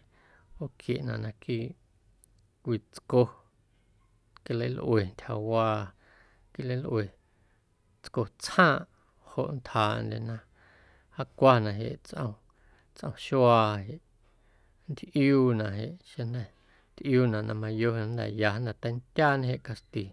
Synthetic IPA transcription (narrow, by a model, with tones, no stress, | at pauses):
o˧˨ʔkʰjḛ˨ʔnã̰˨ʔnã˧kiː˦˨ | kʷiː˧˨t͡sko˧ | ki˧lə˧˦jlʔwe˨nt̪ʲha̰˨waː˧ | ki˦lə˧˦lʔwe˨ | t͡sko˧t͡shãː˦˧ʔ | ho̰˧˨ʔnt̪haː˨nd̪ḛ˨nã˧ | ha˦kʷa˧nã˧ɦḛ˨ʔt͡sʔə̰̃˧ | t͡sʔə̰̃˧ʃwaː˧ɦe˨ʔ | n˦d̪ʔjuː˦nã˨ɦe˨ʔʃe˧nã˧ | nt̪ʔjuː˦nã˨ʔnʔã˧mã˧jo˦˧hnd̪a̰˨ja˧hnã˨t̪a˧˦nt̪ʲjaː˦nẽ˧ɦe˨ʔka˧st̪i˨